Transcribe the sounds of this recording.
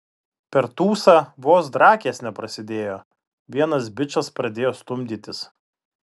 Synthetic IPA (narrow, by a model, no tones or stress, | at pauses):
pʲɛɾt̪uːsɐʋoːsd̪ɾɑːkʲeːsnʲɛpɾɐsʲɪd̪ʲeːjoː | ʋʲiɛnɐs̬bʲɪt͡ʃɐspɾɐd̪ʲeːjoːst̪ʊmʲd̪ʲiːt̪ʲɪs